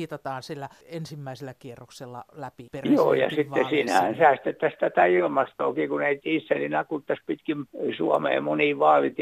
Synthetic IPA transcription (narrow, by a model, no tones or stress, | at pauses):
iːt̪ɑt̪ɑːnsilːæ | ensimːæiselːækierːokselːɑ̰læpiperjo̰ːjɑ̰ssit̪ːesiːnæhænsæːst̪et̪ːæst̪æt̪æilmɑst̪o̰ːkiːkuneit̪iːsːelinɑkːut̪ːæspit̪kimsuɑmḛːmuniːʋɑːlit̪